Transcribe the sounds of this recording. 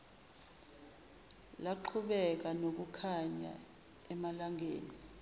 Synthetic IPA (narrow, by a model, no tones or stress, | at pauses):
laǃʰuɓɛk̬anok̬ukʰaɲa̰ | ɛmalaŋʱeːni